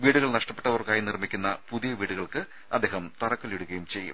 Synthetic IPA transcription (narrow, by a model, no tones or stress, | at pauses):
ʋiːɽuɣɐɭnɐʂʈɐpːe̞ʈːɐʋɐrkaːjinirmikʲːunːɐpuðijɐʋiːɽuɣɐɭkɨ | ɐd̪ːeːɦɐmt̪ɐrɐkːɐliɽuɣɐjumt͡ɕe̞jːṵm